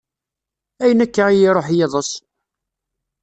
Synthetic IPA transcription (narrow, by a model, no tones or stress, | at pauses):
æjənækːaʁjiɾˤoħjeðˤəs